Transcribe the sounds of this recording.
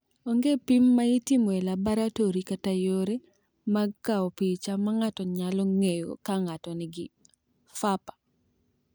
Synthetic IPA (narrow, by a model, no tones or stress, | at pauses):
oŋɡepimːaitimɔɛlabaɾatoɾikatajoɾe | maɡkaɔpit͡ʃamaŋatɔɲalɔŋejo̰kaŋatɔnɪɡɪ | fapḁ